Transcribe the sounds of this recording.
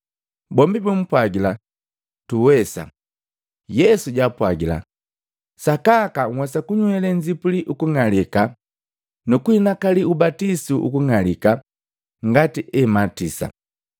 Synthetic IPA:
bɔmbibum̩pwaɡila | tuwɛsa̰ | jɛsuɟapwaɡila̰ | sakakaŋwɛsakuɲuɛlɛɲd͡ʒipuliʔukuŋalika | nukuinakaliubatisuʔṵkuŋalika | ŋɡatiʔɛmatisa̰

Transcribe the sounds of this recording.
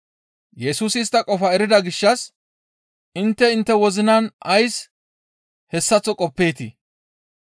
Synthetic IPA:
jɛsuːsɪst̪ːɐkʼɔfɐɛɾɪd̪ɐɡɪʃːɐs | ɪnt̪ːɛɪnt̪ːɛwɔzɪnɐnɐjs | hɛsːɐt͡sːɔkʼɔpːeːt̪ḭ

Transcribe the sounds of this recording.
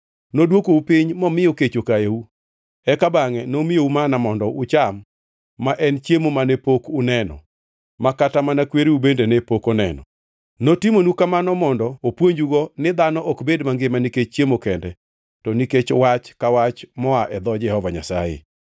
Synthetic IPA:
nodwokoupɪɲmɔmɪoket͡ʃokaeu | ɛkabaŋɛnomɪjoumanamɔndɔʊt͡ʃamː | aʔɛnt͡ʃjemomanepokʊnɛnɔ̰ | makatamanakweɾiubendenɛpokɔnɛ̰nɔ̰ | notimonukamanɔmɔndɔopwoɲd͡ʒuɡɔnɪd̪anɔʔɔkbedmaŋɡemaniket͡ʃt͡ʃjemokɛndɛ | tɔniket͡ʃwat͡ʃkawat͡ʃmɔaʔɛd̪ɔd͡ʒɛhɔvaɲa̰sa̰jḛ

